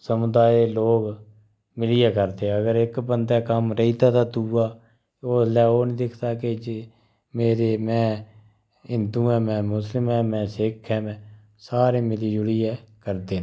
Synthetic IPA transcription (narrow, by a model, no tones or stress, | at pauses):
səmʊd̪aːeloːɡ | mɪlɪːɛːkəɾd̪eːəɡəɾɪkbənd̪ɛːkəmɾəiːd̪aːt̪aːt̪uːaː | oːlɛːoːnĩːd̪ɪkʰt̪aːked͡ʒe | meːɾeːmɛ̃ː | ɪnd̪ũːɛ̃ːmɛ̃ːmʊslɪmɛ̃ːmɛ̃ːsɪːkʰɛːmɛ̃ː | saːɾeːmɪliːd͡ʒʊɽiːɛːkəɾd̪eː